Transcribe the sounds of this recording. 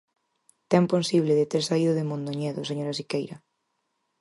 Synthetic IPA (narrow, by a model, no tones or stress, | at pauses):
t̪ɛmponsiβ̞leðet̪eɾsaiðʊðemõnd̪oɲɛðʊseɲoɾasikejɾɐ